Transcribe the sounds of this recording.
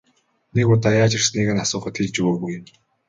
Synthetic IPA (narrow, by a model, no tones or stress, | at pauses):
nekʊt̪ajaːt͡ɕɪ̆rsniɣɘ̆nasʊːχə̆t̪xiɮt͡ɕuwoːɣuj̆m